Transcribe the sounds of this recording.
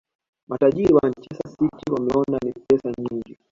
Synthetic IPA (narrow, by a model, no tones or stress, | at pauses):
mataʄiɾiwaɲt͡ʃɛsasitiwamɛɔnanipɛsaɲiŋɡi